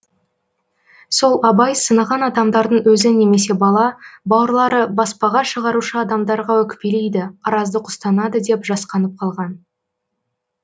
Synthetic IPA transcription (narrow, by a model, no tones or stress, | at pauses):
so̞lˠɑbɑjsənɑʁɑnɑd̪ɑmd̪ɑɾd̪əɴwɵzɪne̞me̞se̞bɑlˠɑbɑwəɾlˠɑɾəbɑspɑʁɑʃəʁɑɾuʃəɑd̪ɑmd̪ɑɾʁɑwɵkʲpelejd̪ɪɑɾɑzd̪əqʰʊ̥st̪ɑnɑd̪əd̪e̞pʒɑsqɑnəp̚qʰɑlˠʁɑn